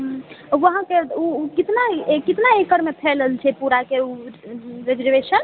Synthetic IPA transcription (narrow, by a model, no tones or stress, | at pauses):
ɦʋəɦãkeukit̪nakit̪naekəɾmepʰeləlt͡ʃʰɛpuɾakeu | ɾed͡ʒəɾʋesən